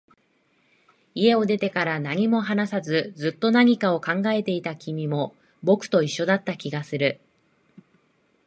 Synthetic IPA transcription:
ie̞o̞d̪e̞t̪e̞kaɾanaɲ̟imo̞ɦanasazɨd͡zɨt̪ːo̞naɲ̟ikao̞kãŋɡae̞t̪e̞it̪akʲimʲimo̞ | bo̞kɯ̟̥t̪o̞iɕːo̞d̪at̪ːakʲiɡasɨɾɯ̟

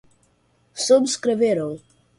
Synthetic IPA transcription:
subskɾeveɾõw

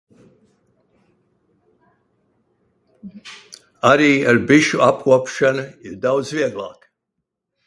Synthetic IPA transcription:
aɾiːaɾbiʃuap̚kuɔpʃanɨiɾd̪aw̪sviɛɡlˠa̰ːk

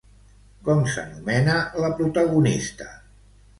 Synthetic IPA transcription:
kɔmsə̰numɛnələpɾut̪əɣunist̪ə̥

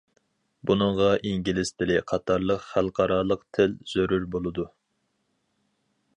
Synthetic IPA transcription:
bunɨŋʁɑʔiŋɡʲilɪst̪ʰɪlɪqʰɑt̪ʰɑɾlˠəqχælˠqʰɑɾɑːlˠəqt̪ʰɪlz̥øɾyɾbolˠɨd̪u

